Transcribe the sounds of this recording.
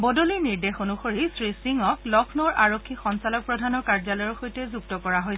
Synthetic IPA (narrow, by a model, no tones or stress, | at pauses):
bɔdoliɹniɹdexonuxoɹisɹisiŋɔklɔkʰnɔɹʔaɹokʰːixɔnsalɔk̚pɹɔdʱanɔkaɹzalɔjɔɹxojtɛzuktɔkɔɹaɦojs